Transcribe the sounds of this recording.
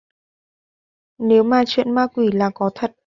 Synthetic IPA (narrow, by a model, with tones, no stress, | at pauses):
ne˨˦wmaː˨˩t͡ɕwḭ˧˨nmaː˧kwi˧˩laː˨˩kɔ˨˦t̪ʰə˨˩t̚